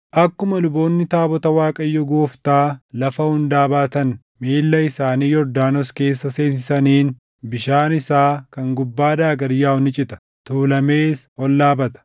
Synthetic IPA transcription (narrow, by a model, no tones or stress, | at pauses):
ʔɐkːʊmɐlʊbo̞ːnːɪt̪aːbɔt̪ɐwaːkʼɐjːɔɡoːft̪aːlɐfɐhʊnd̪aːbaːt̪ɐn | miːlːɐɪsaːniːjɔɾd̪aːnɔske̞ːsːɐse̞ːsɪsɐniːn | bɪʃaːnɪsaːkɐŋɡʊbːaːd̪aːɡɐɾɪjaːʊnɪt͡ʃʼɪt̪ɐ̥ | t̪uːlɐme̞ːshɔlːaːbɐt̪ɐ̥